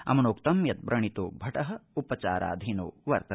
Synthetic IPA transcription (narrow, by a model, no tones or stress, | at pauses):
ɐ̰mɐnoːkt̪ɐmjɐt̪̚bɾɐɳit̪uːbʱɐʈɐɦɐupɐt͡ʃa̰ːɾʔa̰ːd̪ʱinoːʋɐɾt̪ɐ